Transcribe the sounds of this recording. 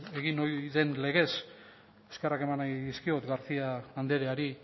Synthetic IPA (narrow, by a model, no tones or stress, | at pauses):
e̞ɣ̞ino̞jðe̞nle̞ɣ̞e̞s | eskerake̞manajðiskio̞t̪ɡaɾt͡siaːnd̪e̞ɾeaɾi